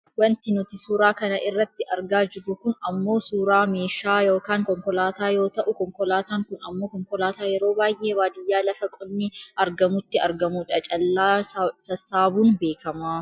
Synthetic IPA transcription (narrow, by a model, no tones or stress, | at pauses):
wɐnt̪ɪnʊt̪ɪsuːɾaːkɐnɐʔɪrːɐt̪ːɪʔɐɾɡaːd͡ʒɪɾːʊkʊnɐmːo̞ːsuːɾaːme̞ːʃaːjo̞ːkaːŋkɔŋkɔlaːt̪aːjo̞ːt̪ɐʔʊkɔŋkɔlaːt̪aːŋkʊnɐ̰mːo̞ːkɔŋkɔlaːt̪aːjɛɾo̞ːbaːjʔe̞ːwaːd̪ɪjːaːlɐfɐkʼɔnːɪʔɐɾɡɐmʊt̪ːɪɐ̰ɾɡɐmuːᶑɐt͡ʃʼɐlːaːsɐsːaːbuːnbe̞ːkɐmaː